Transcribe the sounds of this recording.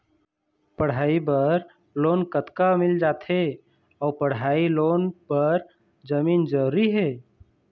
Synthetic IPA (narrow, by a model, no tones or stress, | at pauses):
pəɽ̤aːibəɾ | loːnkət̪kamɪld͡ʒat̪ʰe | ɔpəɽailonpəɾ | d͡ʒəmiːnd͡ʒəɾuɾiɦeː